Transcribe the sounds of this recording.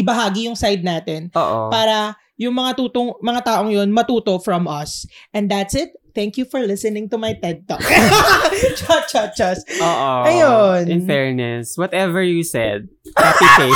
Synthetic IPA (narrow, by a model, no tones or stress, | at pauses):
ʔɪbɐɦaːɡijʊŋsajd̪̚naːt̪ɛnoːʔopaːɾɐ | jʊŋmɐŋat̪uːt̪oŋmɐŋat̪aːʔoŋjonmɐt̪uːt̪o̞fɹɐmɐsʔɛ̃nd̪ɐt̪sɪt̪̚θɛ̃ŋkjufɔɹlɪsɨnɪ̃ŋt̪ʊmɐjt̪ɛd̪̚t̪ɔk | t͡ʃɐt͡ʃɐt̚t͡ʃɐsoːʔoʔɐjonɪnfɛɹnɛswɔt̪ɛvɛɹjusɛ̰d̪̚kapife